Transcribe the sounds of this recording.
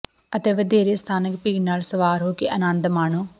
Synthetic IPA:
ət̪eːʋəd̪eːɾeːst̪ʰaːnəkpiːɡnaːlsəʋaːɾɦoːkeʔənãːnd̪maːɳoː

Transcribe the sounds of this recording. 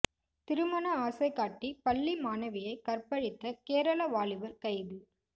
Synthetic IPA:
t̪ɪɾɯmɐnɐaːsɐɪkaːʈːipɐlːimaːnɐʋɪjɐɪkɐrpɐɻɪt̪ːɐkeːɾɐlɐʋaːɭɪʋɐɾkɐɪʋɯ

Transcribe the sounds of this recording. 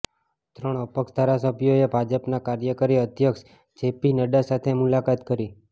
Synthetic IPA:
t̪ɾəɳ̃əpəkʃd̪ʱaɾasəbʱijoebʱad͡ʒəpnakaɾjəkəɾiəd̪ʱjəkʃ | d͡ʒepinəɖasat̪ʰemulakat̪kəɾi

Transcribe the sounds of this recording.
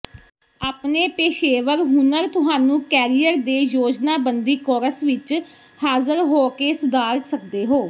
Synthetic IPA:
aːpneːpeːʃeːʋəɾɦʊnəɾt̪ʊɦaːnũːkɛːɾijəɾd̪eːjoːd͡ʒnaːbənd̪iːkɔːɾəsʋɪt͡ʃ | haːzəɾɦoːkeːsʊd̪aːɾsəkd̪eːɦoː

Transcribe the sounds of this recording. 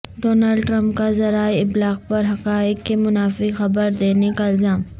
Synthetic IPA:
ɖoːnalɖʈɾə̃mp̚kazɐɾaːɪblaːɣpɐɾɦɐqaːɪkkemʊnaːfɪxɐbəɾd̪eːnekaɪlzaːm

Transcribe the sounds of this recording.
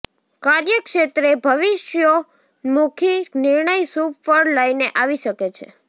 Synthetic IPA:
kaɾjəkʃet̪ɾebʱəʋiʃjo | mukʰinɪɾɳəjsupfəɽləjneʔaʋiʃəket͡ʃʰḛ

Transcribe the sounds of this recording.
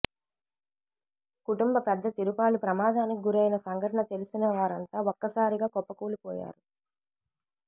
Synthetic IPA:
kuʈumbɐpɛd̪ːɐt̪iɾupaːɭupɾɐmaːd̪aːnikiɡuɾɐjnɐsɐŋɡʱɐʈɐɳɐt̪e̞lusinɐʋaːɾɐnt̪aːɔkːɐsaːɾiɡaːkɔpːɐkuːlupɔ̰ːja̰ːɾu

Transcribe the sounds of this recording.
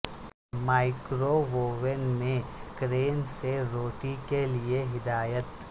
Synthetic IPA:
maːɪkɾoʋoːʋənmẽkɾeːnseɾoːʈikelieɦɪd̪aːjət̪

